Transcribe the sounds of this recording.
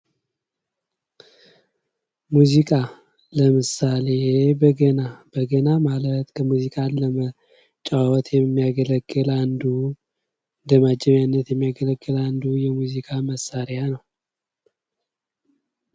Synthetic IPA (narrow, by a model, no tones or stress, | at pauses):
muzikʼa | ləmɨsale̞bəɡənab̥əɡənamalət̪kʰəmuzikʼanləmə | t͡ʃʼawɔt̪ʰʼjɛmːijaɡələɡːɨland̪u | d̪əmad͡ʒːɛβjanːət̪jɛmːijaɡələɡːɨland̪ujɛmuzikʼaməsːaɾɪjanəw